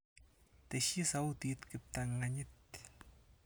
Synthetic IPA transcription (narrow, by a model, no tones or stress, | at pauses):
t̪eʃisawt̪it̪kɪp̚t̪aŋaɲɪt̪